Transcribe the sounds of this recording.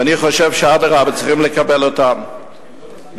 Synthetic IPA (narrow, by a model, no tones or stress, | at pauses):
aniχoʃevʃeadaʁabat͡sχimləkabelotam | b